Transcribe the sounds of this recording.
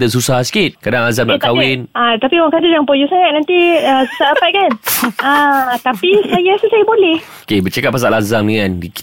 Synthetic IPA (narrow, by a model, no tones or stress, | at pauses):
d̪əs̬usahsi̥kit̪̚kadaŋazamnak̪awɪnat̪apioaŋkad̪ədjaŋpojusaŋat̪̚nãnt̪iəsusalapajkanat̪apisajaasusajabolɛhokebət͡ʃakat̚pas̬aʔlazamdəŋãndi